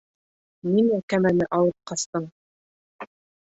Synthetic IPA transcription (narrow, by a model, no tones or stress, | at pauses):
niŋækæmænɘʔɑlˠɤp̚qɑst̪ɤɴ